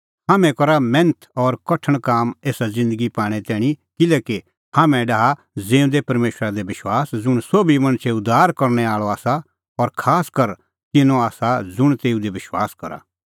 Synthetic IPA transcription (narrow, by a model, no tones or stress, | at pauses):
ɦaːmɛ̃kɔɾamɛ̃nt̪ʰɔːɾkɐʈʰəɽ̃kaːmeːsazɪ̃nd̪əɡipaːɽ̃ɛt̪ɛːɽ̃ikɪlɛːke | haːmɛ̃ɖaɦa | d͡zẽːʊ̃nd̪epɐɾmeːʃɾad̪ebɪʃwaːsd͡zʊɽ̃soːbimɐ̃ñsʰeʊd̪aːɾkɐɾnɛaːɭɔaːsa | ɔɾkʰaːskɐɾ | t̪ɪnõaːsad͡zʊɽ̃t̪eːũd̪ebɪʃwaːskɐɾa̰